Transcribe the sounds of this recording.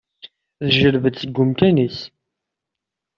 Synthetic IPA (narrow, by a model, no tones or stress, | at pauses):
ðʒəɾvəd̪səɡːʊmkænis